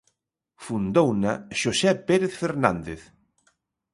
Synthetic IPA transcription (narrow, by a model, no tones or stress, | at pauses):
fund̪ownaʃosɛpeɾeθfeɾnã̰nd̪eθ